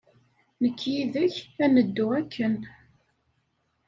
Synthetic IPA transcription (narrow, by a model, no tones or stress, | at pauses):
nəkːjiðəçænəd̪ːuækːən